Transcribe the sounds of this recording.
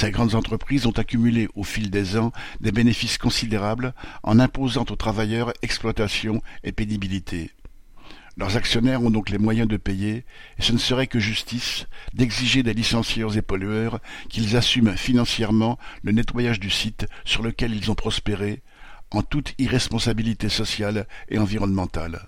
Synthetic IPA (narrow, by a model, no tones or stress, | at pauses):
seɡʁɑ̃d̪zɑ̃t̪χəpχizɔ̃t̪akʲymyleʔofild̪ezɑ̃d̪ebenefiskɔ̃sid̪eʁablɑ̰̃nɛ̃pozɑ̃t̪ot̪χavajœʁɛksplwat̪asjɔ̃epenibilit̪ʰe | lœʁzaksjɔnɛʁɔ̃d̪ɔ̃klɛmwajɛ̃d̪əpejeːsənsəʁɛkəʒyst̪isd̪ɛɡziʒed̪elisɑ̃sjœʁzepɔlyœʁkʲilzasymfinɑ̃sjɛʁmɑ̃lənɛt̪wajaʒd̪ysit̪syʁləkʲɛlilzɔ̃pχɔspeʁe | ɑ̃t̪ut̪iʁɛspɔ̃sabilit̪esɔsjalḛɑ̃viʁɔnmɑ̃t̪a̰l